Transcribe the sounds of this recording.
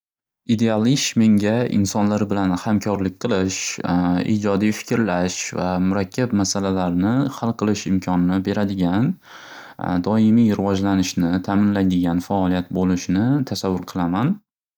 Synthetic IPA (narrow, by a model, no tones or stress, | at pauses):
id̪e̞alˠɪʃme̞ŋɡʲaʔɪ̰nsɒnlaɾbɪlanhamkʲʰɒɾlɪk̚ʲqʰɨlˠɪʃḭd͡ʒɒd̪ijfɪ̥kʲɾlaʃvamʊɾakʲʰːapmasalalaɾnɪhalˠqʰɨlˠɪʃɪmkʲʰɒnɪnɪbe̞ɾad̪ɪɡʲan | d̪ɒɪmijɾɪwɒd͡ʒlanɪʃnɪt̪ʰaːmɪnlajd̪ɪɡʲanfaɒlˠijat̪̚bolɪʃnɪt̪ʰasavːʊɾqʰɨlˠaman